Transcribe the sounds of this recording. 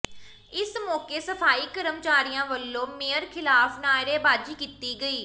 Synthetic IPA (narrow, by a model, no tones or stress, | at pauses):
ɪsmɔːkeːsəfʰaːiːkəɾəmt͡ʃaːɾijãːʋəlːõːmeːəɾkʰɪlaːfnaːɾeːbaːd͡ʒiːkit̪iːɡəiː